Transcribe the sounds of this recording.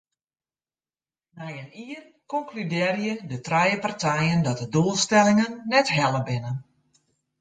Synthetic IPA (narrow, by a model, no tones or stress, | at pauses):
mɛjəniən | kɔŋklydɪːrjədətrɛjəpartɛjəndɔt̚dəduəlˠstɛlɪŋənːɛtɦɛlˠəbɪnən